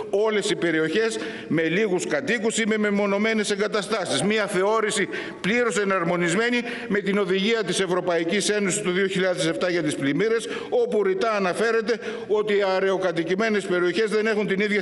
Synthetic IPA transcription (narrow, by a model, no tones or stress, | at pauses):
o̞le̞sipe̞ɾio̞çe̞s | me̞liɣuskɐt̪ikusime̞mimo̞no̞me̞ne̞se̞ŋɡɐt̪ɐst̪ɐsizmiɐθe̞o̞ɾisi | pliɾo̞se̞nɐɾmo̞nizme̞ni | me̞t̪ino̞ðiʝiɐt̪ise̞vɾo̞pɐicise̞nosi̥st̪uðioçiʎɐðezse̞ft̪ɐʝɐt̪isplimiɾe̞s | o̞puɾit̪ɐːnɐfe̞ɾe̞t̪e̞ | o̞t̪iɐɾe̞o̞kɐt̪icime̞ne̞spe̞ɾio̞çe̞zðe̞ne̞xunt̪iniðʝɐ